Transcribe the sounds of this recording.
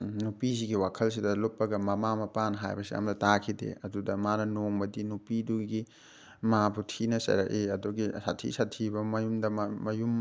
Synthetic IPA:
nupis̬iɡiwakʰɐls̬idɐlopːɐɡɐmɐmamɐpanɦajbɐsḭʔa̰mdɐtakʰidḛɐdudɐmanɐnoŋbɐdinupiduɡi | mabutʰinɐsɐ̰ɾɐ̰ʔeɐduɡisa̰tʰḭsatʰibɐmɐjumdɐmmɐjum

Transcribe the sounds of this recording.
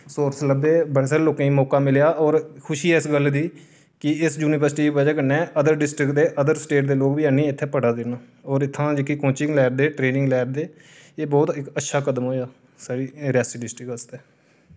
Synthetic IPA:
soːɾsləbd̪eːbəɽeːsaːɾeːloːkãːĩːmɔːkaːmɪljaːɔːɾkʰʊʃiːɛːɪsɡəld̪iː | kɪɪsd͡ʒuːnɪʋəɾsʈiːibəd͡ʒaːkənɛ̃ːʔəd̪əɾɖɪsʈɾɪkd̪eːʔəd̪əɾsʈeːʈd̪eːloːkbiːaːnĩːɪt̪ʰːeːpəɽaːd̪enaː | ɔːɾɪt̪ʰːãːd͡ʒɪkiːkõːt͡ʃɪŋɡlɛːɾd̪eːʈɾeːnɪ̃ŋɡlɛːɾd̪eː | eːbɔːt̪ɪkətːʃʰaːkəd̪əmɦoːjaː | saːɾiːɾɪjaːsiːɖɪsʈɾɪkəst̪ɛː

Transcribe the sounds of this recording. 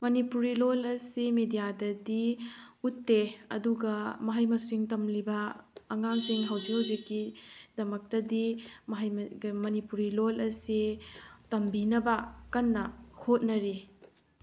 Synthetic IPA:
mɐnipuɾilolɐsimedijadɐdiutːeɐ̰duɡɐmɐɦɐjmɐsiŋtɐmlibɐːŋaŋsiŋɦɐwzikhɐwzikːidɐmɐk̚tɐdimɐɦɐjmmɐnipuɾilolɐsitɐmbinɐbɐkɐnːɐhʰot̚nɐɾi

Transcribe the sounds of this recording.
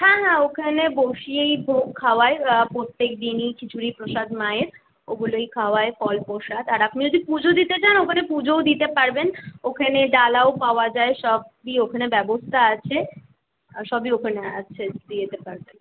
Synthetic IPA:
hɛ̃ɦɛ̃okʰaneboʃiejbʱokʰːaoaepɾot̪ːek̚d̪init͡ɕit͡ɕʰuɾipɾoʃad̪maeɾ | oɡulojkʰaoaefɔlpɾoʃad̪aɾapnid͡ʑod̪ipud͡ʑod̪it̪et͡ɕanokʰanepud͡ʑowd̪it̪epaɾbenokʰaneɖalaopaoad͡ʑaeʃɔbbiokʰanebɛbost̪ʰaat͡ɕʰe | ʃɔbiokʰanea̰t͡ɕʰed̪iet̪epaɾben

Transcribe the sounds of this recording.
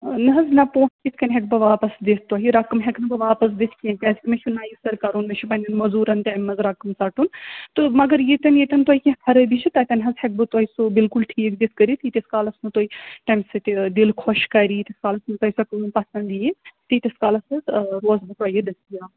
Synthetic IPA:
nɨɦɐznɐpoːʈʰkisʰkɐnɦɛk̚bɨʋaːpɐsd̪esʰt̪ɐɦiɾɐkɐmɦɛknɨbɨʋaːpɐs̬d̪isʰkijẽpʲɐːzikʲmɐt͡ʃʰunaːjisɐɾkɐɾunmɐʃʰumɐnʲɐnmɐzuːɾɐnt̪ajmːɐzɾɐkɐmsɐʈunt̪ɨmɐɡɐɾjet̪ɐnjet̪ʲɐnt̪woɦikʲĩkʰɐɾɨbit͡ʃʰit̪ɐt̪ʲɐnɦɐzhɐk̚bɨt̪ɐisubilkulʈʰiːkd̪iskɐɾit̪it̪iskaːlɐsnut̪oːiʈɐjmsɨt̪ed̪ilkʰɔʃkɐɾiːt̪ɐskaːlɐsnut̪ɐisɐkːnpɐsɐnd̪ijit̪it̪ʲɐskaːlɐsɨɾoːzbɨt̪ɐjid̪ɐskijaː

